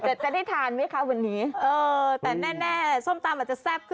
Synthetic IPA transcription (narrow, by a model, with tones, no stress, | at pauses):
t͡ɕa˨˩t͡ɕa˨˩da˥˩jt̪ʰaː˧nma˦˥jkʰa˦˥wa˧nːiː˦˥ʔɤː˧t̪ɛː˨˩nɛː˥˩nɛː˥˩so˥˩mt̪aː˧mʔaː˨˩t͡ɕa˨˩sɛ˦˥˩p̚kʰɯ˥˩